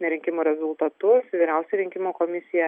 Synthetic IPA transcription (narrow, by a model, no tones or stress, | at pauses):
nʲɛɾʲɪŋʲkʲɪmoːɾʲɛzʊlˠt̪ɐt̪ʊsʋʲiːɾʲɛʊsʲɛɾʲɪŋʲkʲɪmoːkoːmʲɪsʲɪjɛ